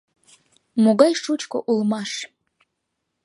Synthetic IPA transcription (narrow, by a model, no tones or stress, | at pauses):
muɡajʂut͡ʃʰkʷʰʼɔ̰ʔulmaʂ